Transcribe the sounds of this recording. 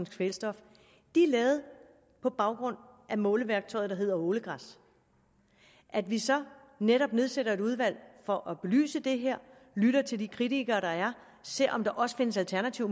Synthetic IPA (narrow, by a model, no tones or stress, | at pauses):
n̩sɡ̥felsd̥ɒ̽f | d̥iælɛːʊð̞̩ˠ | pʰɒ̽b̥ɑ̈ʊɡ̥ʁɔ̽n̰ʔæmɔ̽ːləʋæɐɡ̥̚t͡sʰɒ̽ɪ̥ɑɦe̝ð̞̰ˠɐoːləɡ̥ʁɑs | ʔæd̥ʋisɒ̽ | neɾɒ̽b̥̚ne̝ð̞ˠseɾɐe̝ɾuð̞ˠʋæl̰fɒ̽ʔɒb̥e̝ly̰ːsəd̥e̝ɦeɐ̰ | lyɾ̥ɐt͡sʰe̝ld̥ikʰʁidiɡ̥ɐːɾ̥ɑ̈æɐ | se̝ɐ̰ʔɒ̽md̥ɑ̈ʔɒ̽sə̥fe̝nəsælt͡sʰæɐnæt͡sʰiʊ